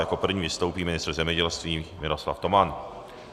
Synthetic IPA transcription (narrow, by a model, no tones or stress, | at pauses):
jako̞pr̩vɲiːvɪst̪owpiːmɪnɪst̪r̩zɛmɲɛɟɛlst̪viːmɪɾosla̰ft̪o̞man